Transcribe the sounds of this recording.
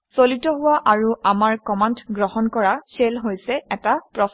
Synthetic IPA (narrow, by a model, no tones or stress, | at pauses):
solitɔɦʊwaʔaɹuamaɹkɔmantɡɹɔhɔnkɔɹaselɦojsɛɛtapɹɔs